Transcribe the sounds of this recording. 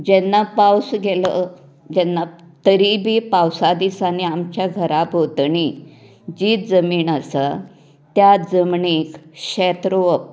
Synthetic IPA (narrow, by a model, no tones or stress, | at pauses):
d͡ʑɛnːapawsɡelə | d͡ʑɛnːa | t̪əɾibʱipawsad̪isaniamt͡ɕjaɡʱəɾapot̪ɳi | d͡ʑit̪d͡zəmiːɳəsa | t̪jad͡zəmɳikɕɛt̪ɾoəp̚